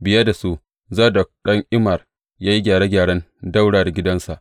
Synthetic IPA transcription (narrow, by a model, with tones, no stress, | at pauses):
bɪ˨jɐ˦da˨su˦ʔ | zaː˦˨dɔ˨k̚ɗɐ˦ŋʔɪ˦mɐ˨r | jaː˦ji˦ɡʲaː˨ɽe˦ɡʲaː˨ɽɐ˦nda˦wɽaː˨da˨ɡʲɪ˦dɐ˦nsa˨ʔ